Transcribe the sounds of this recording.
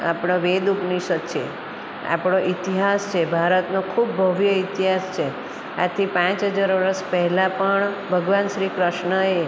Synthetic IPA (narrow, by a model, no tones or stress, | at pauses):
a̰pɽ̃oʋed̪upniʃəkt͡ʃʰḛ | a̰pɽ̃oʔit̪iɦast͡ʃʰebʱaɾət̪nokʰubːʱəʋjəit̪iɦast͡ʃʰe | a̰t̪ʰipãt͡ʃɦəd͡ʒaɾʋəɾəspɛɦɛlãpəɳbʱəɡʋanʃɾikɾəʃɳəe